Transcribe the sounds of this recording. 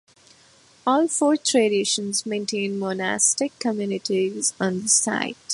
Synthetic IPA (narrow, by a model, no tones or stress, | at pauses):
ɔːlfoːɾtʰɾeɖɪʃə̃nzmẽːnʈʰẽːnmɔna̰sʈɪkʰːəmjunɪʈizɔ̃nd̪əsa̰ɪt